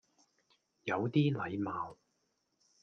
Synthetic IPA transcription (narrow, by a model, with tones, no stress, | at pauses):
jɐ˨˧wt̪iː˥lɐ˨˧jmaː˨w